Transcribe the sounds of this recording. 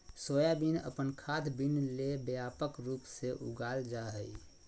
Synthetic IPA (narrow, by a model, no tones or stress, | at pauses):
soːjabinə̰pənkʰaːd̪ʰbinlebjaːpəkɾuːpseʔʊ̰ɡaːld͡ʒaɦəi